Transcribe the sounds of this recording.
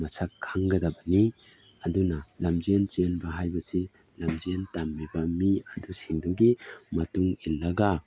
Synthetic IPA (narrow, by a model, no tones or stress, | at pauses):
mɐsʰakʰːaŋɡɐdɐbɐni | ɐdunɐlamd͡ʒient͡ʃienbɐɦajbɐsi | lɐmd͡ʒientamːibɐmiɐdusiŋduɡimɐtuŋilːɐɡa